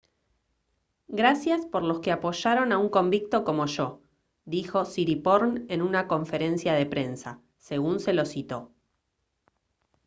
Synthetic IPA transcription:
ɡɾasjaspo̞ɾlo̞skeapo̞ʃaɾo̞nauŋko̞mbik̚t̪o̞ko̞mo̞ʃo̞ | d̪ixo̞siɾipoɾne̞nunako̞ɱfe̞ɾe̞nsjaðe̞pɾe̞nsa | se̞ɣunse̞lo̞sit̪o̞

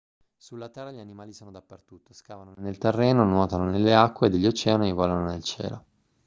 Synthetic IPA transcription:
sulːat̪ɛrːaʎianimaːlisoːnod̪apːert̪ut̪ːoskaːvanonelt̪erːɛːnonwɔːt̪anonelːeakːweːd̪eʎːot͡ʃɛːannivɔlanonelt͡ʃɛ̰ːlo̰

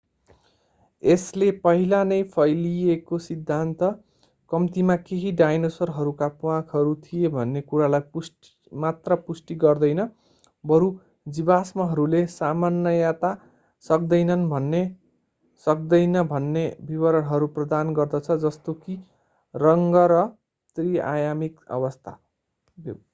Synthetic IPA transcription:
eslepʌɦilanʌjpʰʌjlijekosid̪ʱːant̪ʌ | kʌmt̪imakeɦiɖajnosʌrɦʌɾukapuwãkʰɦʌɾut̪ʰijebʱʌnːekuɾalajpus | mat̪rʌpusʈiɡʌrd̪ʌjnʌ | bʌɾu | d͡zibasmʌɦʌɾulesamanːʌjat̪a | sʌk̚d̪ʌjnʌnbʱʌnːe | sʌk̚d̪ʌjnʌbʱʌnːebibʌɾʌɽɦʌɾuprʌd̪anɡʌrd̪ʌt͡sʰʌd͡zʌst̪oki | rʌŋɡʌɾʌ | t̪ria̰jamikʌ̰βʌst̪ʰa̰

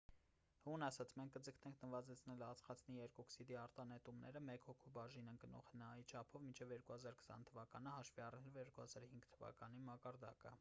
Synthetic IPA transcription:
hunɑsɑt͡sʰmɛŋk̚ʰkəd͡zəkʰnɛŋkʰnəvɑzɛt͡sʰnɛlɑt͡sχɑt͡sʰniɛɾkɔksid̪iɑɾt̪ɑnɛt̪umnɛɾəmɛkhɔkʰubɑʒinɛnɡənɔ̰χhənɑjit͡ʃʰɑpʰɔvmint͡ʃʰɛvjɛɾkuhɑzɑɾkʰə̥sɑ̰nt̪ʰəvɑkɑnəhɑʃviɑrnɛlɔvjɛɾkuhɑzɑɾhiŋɡt̪ʰəvɑ̰kɑnimɑkɑɾd̪ɑ̰kə

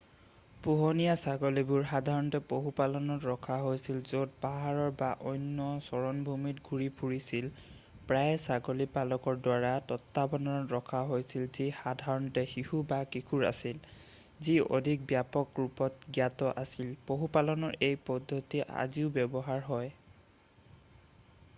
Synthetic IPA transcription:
puɦɔnijasaɡolibʊɹxadʱaɹɔntɛpoɦupalɔnɔtɹɔkʰaɦojsilzot̚paɦaɹɔɹbaʔɔjnːɔsɔɹɔnbʱumitɡʱuɹipʰuɹisil | pɹajsaɡolipalɔkɔɹdwaɹatɔtːabɔnɔɔɹɔkʰaɦojsilzixadʱaɹɔntɛxihubakikʰuɹa̰sil | zio̰dʱik̚bjapɔkɹupɔtɡjatɔʔasilpoɦupalɔnɔɹʔejpɔdʱːɔtiʔa̰ziʊbɛbɔɦaɹɦɔj

